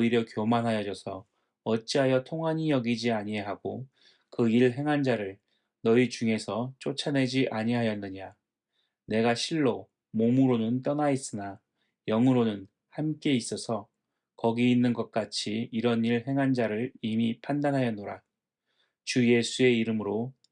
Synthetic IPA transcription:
ʌiɾjʌkjomanɦajʌd͡ʑʌsʰʌ | ʌt͡ɕ͈iɦajʌtʰoŋɦaɲijʌɡid͡ʑiaɲieɦaɡo | kɯiɭɦe̞ŋɦand͡ʑaɾɯɭ | nʌit͡ɕuŋe̞sʰʌt͡ɕ͈ot͡ɕʰane̞d͡ʑiʔaɲiɦajʌnːɯɲa | ne̞ɡaɕʰiɭːo | momuɾonɯnt͈ʌnais͈ɯna | jʌŋɯɾonɯn | hamk͈e̞is͈ʌsʰʌ | kʌɡiinːɯnɡʌk̚k͈at͡ɕʰiiɾʌniɭɦe̞ŋɦand͡ʑaɾɯɭimipʰandanɦajʌnːoɾa | t͡ɕuje̞sʰue̞iɾɯmɯɾo

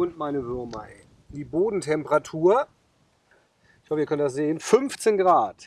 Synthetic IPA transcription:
ʊntmaɪnəvʏɐma̰ɪ | diːboːdn̩tʰɛmpəʁatʰuːɐ | ɪɪçhɔfəiːɐkœnəndas̬z̥eːənfʏnft͡seːnɡʁaːt

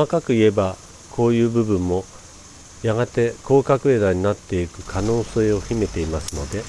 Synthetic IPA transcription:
makakɯ̟ie̞ba | kʰo̞ːjɯ̟ːbɯ̟bɯ̟̃mːo̞ | jaɡat̪e̞ko̞ːkakɯ̟ed̪aɲ̟inat̪ːe̞ikɯ̟̥kʰano̞ːse̞ːo̞çʲime̞t̪e̞imasɨno̞d̪e̞

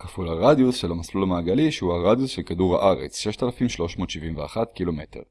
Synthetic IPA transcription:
kafulaʁad̪jusʃelamaslulamaːɡaliʃehuhaʁad̪jusʃelkaduʁha̰ʔaʁḛt͡sʃeʃt̪alafimʃlo̞ʃmo̞ːt̪ʃivimvea̰χat̪kilo̞me̞te̞̰ʁ

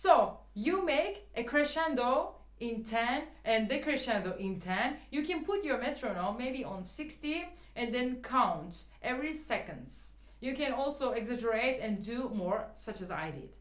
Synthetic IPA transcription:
soʊ | jumeɪkʔɨkʰɹɨʃæ̃ndo | ʔɪ̃ntʰɛ̃nʔɨ̃nðɨkɹɨʃæ̃ndoʔɪ̃ntʰɛ̃njɨkʰɨ̃npʰʊtjɔ˞mɛt̪ʰɹõnɔ̃nmeɪbiɔ̃nsɪksti | ʔɨ̃nðɛ̃nkʰãʊ̃ntʔɛvɹisɛkə̃ndz̥ | jɨkɨ̃nɔlˠsoʊɛɡzɛd͡ʒəɹeɪtɨ̃ndumɔɹsʌt͡ʃɨza̰ɪdɪ̰d̥

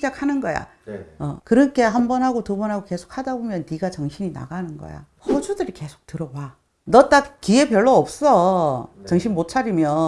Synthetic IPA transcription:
id͡ʑakʰhanɯnɡʌja̰ʌkɯɾʌnkʰe̞ɦambʌnɦaɡotubʌnɦaɡoke̞sʰo̥k̚ʰhadabomjʌnːiɡat͡ɕʌŋɕʰiɲina̰ɡanɯnɡʌ̰ja̰ | hʌd͡ʑudɯɾike̞sʰo̥k̚tɯɾʌba | nʌt͈akkie̞pjʌɭːoʌp̚s͈ʌt͡ɕʌŋɕʰinmot͡ɕʰaɾimjʌ

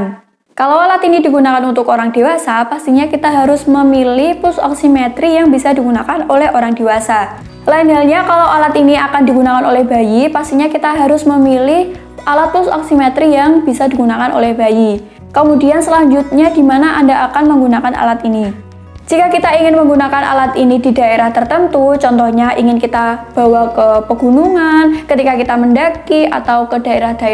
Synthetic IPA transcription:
n | kalawalat̪inidiɡunakanunt̪ʊkoɾaŋdiwasapast̪iɲakit̪aɦaɾʊsməmilɪhpʊsɔ̰ksimɛt̪ɾijaŋbisadiɡunakanolɛhoɾaŋdiwasa | laɪnalɲakalawalat̪iniakandiɡunakanolɛhbajipast̪iɲakit̪aɦaɾʊsməmilɪh | ʔalat̪̚pʊsɔ̰ksimɛt̪ɾijaŋb̥isadiɡunakanʔo̰lɛhbaji | kəmudiansəlaɲd͡ʒʊt̪̚ɲadimanaʔandaʔakanməŋɡunakana̰lat̪ini | d͡ʒikakit̪aiŋɪnməŋɡunakanʔa̰lat̪inididaeɾaht̪ərt̪ənt̪ut͡ʃɔnt̪ɔhɲaʔiŋɪnkit̪ab̥awakəpəɡunuŋankət̪ikakit̪aməndakia̰t̪awkəda̤eɾahd̥a

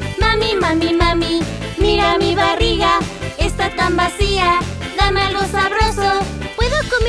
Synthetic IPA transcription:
mamimamimami | miɾamiβariɣaest̪at̪ambasiaðamalosarosopweðokom

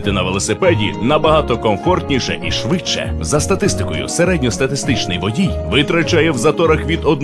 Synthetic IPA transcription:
t̪ɪnɐʋelˠɔsepɛdʲḭnɐbɐɦat̪ɔkɔmfɔrt̪ʲnʲiʃɛ̰ʔiʃʋɪt͡ʃːɛ̰zɐst̪ɐt̪ɪst̪ɪkɔjʊ̰seɾɛdʲnʲɔst̪ɐt̪ɪst̪ɪt͡ʃnɪjʋɔdʲijʋɪt̪ɾɐt͡ʃajɛwzɐt̪ɔɾɐxʋʲid̪ɔd̪̚n

